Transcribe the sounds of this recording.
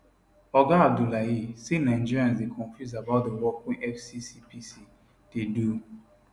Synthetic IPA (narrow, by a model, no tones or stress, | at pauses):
ɔɡãab̚dulajisenaĩnd͡ʒiɾiãnzdekʰɔ̃ɱfjuzabaʊt̚dəwɔpʰɔ̃nʔɛfsisipʰisi | dedu